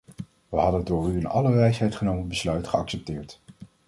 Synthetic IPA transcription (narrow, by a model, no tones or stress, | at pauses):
ʋəɦɑdəndʊːɹyənɑ̰ləʋɛjsɦɛjtχənowmənbəslœɥtχəɑksɛp̚tɪːɹt